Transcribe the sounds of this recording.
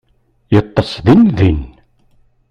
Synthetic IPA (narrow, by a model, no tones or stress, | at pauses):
jət̪ˤːəsˤðinðin